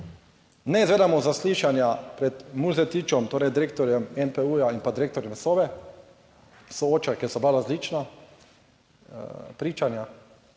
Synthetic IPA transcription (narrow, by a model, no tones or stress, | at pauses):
nɛizʋeːd̪amɔzasliːʃanjapɾɛt̪muzɛt̪iːt͡ʃɔmt̪oːɾɛjd̪iɾeːk̚t̪ɔɾjɛmɛnpɛujainpad̪iɾeːk̚t̪ɔɾjɛmsoːʋɛ | sɔoːt͡ʃakɛsɔblaɾazlit͡ʃna | pɾiːt͡ʃanja